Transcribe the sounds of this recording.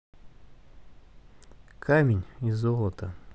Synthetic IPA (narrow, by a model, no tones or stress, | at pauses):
kʰamʲɪnʲizɔlˠət̪ə